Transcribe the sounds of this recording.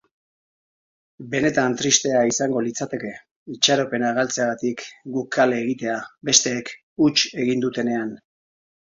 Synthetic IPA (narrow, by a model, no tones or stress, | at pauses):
be̞ne̞t̪ant̪ɾist̪e̞aisaŋɡo̞lit͡sat̪e̞ke̞ | it͡ʃaɾope̞naɣalt͡seaɣat̪ikɡukːale̞ːɣit̪e̞abe̞st̪e̞ːk | ut͡ʃe̞ɣind̪ut̪e̞ne̞an